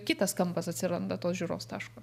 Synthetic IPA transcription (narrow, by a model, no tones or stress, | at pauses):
kʲɪt̪ɐskɐmpɐsɐt̪ʲsʲɪɾɐnd̪ɐt̪oːsʒʲuːɾo̰ːst̪ɑːʃkoː